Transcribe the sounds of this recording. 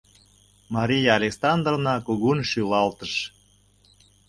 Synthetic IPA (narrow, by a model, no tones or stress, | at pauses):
mɑɾʲijɑːlʲeksɑnd̪ronɑkuɣunʃylɑlt̪əʃ